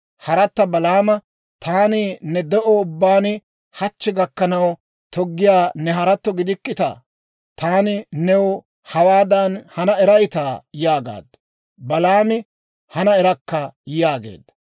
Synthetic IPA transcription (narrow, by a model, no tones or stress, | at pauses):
hɐɾɐt̪ːɐbɐlaːmɐ | t̪aːnɪnɛd̪ɛʔɔʊbːaːnɪ | hɐt͡ʃːɛɡɐkːɐnɐw | t̪ɔɡːɪjaːnɛɦɐɾɐt̪ːɔɡɪd̪ɪkːɪt̪ɐ̰ | t̪aːnɪnɛwɔ | hɐwaːd̪ɐnhɐnɐɛɾɐjɪt̪aːjaːɡa̰ːd̪ːɐ̥ | bɐlaːmɪ | hɐnɐɛɾɐkːɐjaːɡḛːd̪ːɐ̥